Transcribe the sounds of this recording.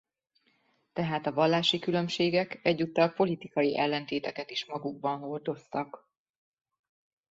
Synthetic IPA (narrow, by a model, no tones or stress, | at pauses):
t̪ɛɦaːt̪ɒvɒlːaːʃikylø̞mʃeːɡɛkɛɟːut̪ːɒlpo̞lit̪ikɒjiʔɛlːɛn̪t̪eːt̪ɛkɛt̪iʃmɒɡuɡ̚bɒnɦo̞rd̪o̞st̪ɒk